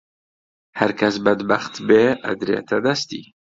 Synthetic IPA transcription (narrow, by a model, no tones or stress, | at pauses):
hæɾkʰɐs̬bɐd̪baxt̪beːʔɐ̰d̪ɾḛːt̪ʰɐd̪ɐst̪ḭː